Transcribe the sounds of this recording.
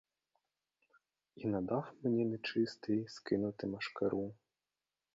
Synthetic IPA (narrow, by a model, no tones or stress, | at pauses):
inad̪awmʲnʲɛnɛt͡ʂɨst̪ɨjskɨnut̪ɨmɐʂkaɾu